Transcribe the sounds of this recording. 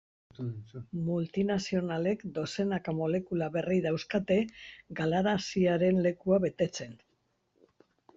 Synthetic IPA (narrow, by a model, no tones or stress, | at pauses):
mult̪inasio̞nale̞kd̪o̞se̞nakamo̞le̞kulaβe̞rijðawskat̪e̞ɡalaɾasiaɾe̞nle̞kuaβe̞t̪e̞t͡se̞n